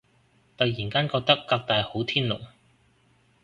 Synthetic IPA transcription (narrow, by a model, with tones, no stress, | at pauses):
t̪ɐ˨jːiː˨˩nkaː˥nkɔː˧k̚t̪ɐ˥kːaː˧k̚t̪aː˨jho˨˥wt̪ʰiː˥nlo̰˨˩w